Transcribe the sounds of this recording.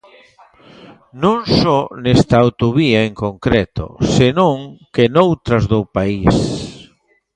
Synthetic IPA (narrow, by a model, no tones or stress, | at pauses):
nõŋsɔnɛst̪ɐawt̪oβiɐeŋkoŋkɾɛt̪o̰senõŋkenowt̪ɾɐzðopais